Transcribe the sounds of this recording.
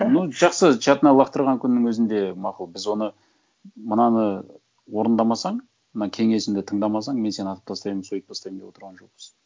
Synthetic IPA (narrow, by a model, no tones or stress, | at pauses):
nuʒɑqsət͡ʃʰɑt̪ənɑlˠɑqt̪əɾʁɑŋkʲʰʏnːɪŋwɵzɪnd̪e̞mɑqəlˠbɪzwo̞nə | mənɑnə | wo̞ɾənd̪ɑmɑsɑɴ | mənɑkʲʰe̞ŋe̞sɪmnd̪ɪt̪ʰəɴd̪ɑmɑs̬ɑɴme̞nse̞nɑt̪əp̚t̪ʰɑst̪ɑjmənsojəp̚t̪ʰɑst̪ɑjmd̪e̞wot̪əɾʁɑnʒo̞q̚bɪz̥